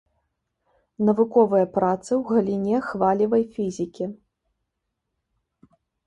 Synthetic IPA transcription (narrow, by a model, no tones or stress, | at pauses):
nɐvukɔvɨjɐpɾat̪sɨwɣɐlʲinʲɛxvalʲivɐjfʲizʲikʲi